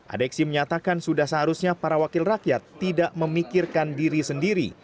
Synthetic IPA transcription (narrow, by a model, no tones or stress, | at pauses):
ʔa̰dɛksiməɲat̪akansudahsəɦaɾusɲapaɾawakɪlrakjat̪ːidaʔməmikɪrkandiɾisəndiɾḭ